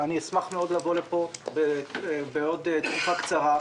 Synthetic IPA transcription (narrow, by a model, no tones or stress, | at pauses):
aniesmaχmeo̞d̪lavo̞lepo̞bebeo̞d̪et̪kufakt͡saʁa